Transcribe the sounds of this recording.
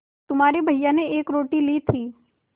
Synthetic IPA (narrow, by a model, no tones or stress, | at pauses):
t̪ʊmɦaːɾebʱɐɦjãneeːkɾoːʈilit̪ʰiː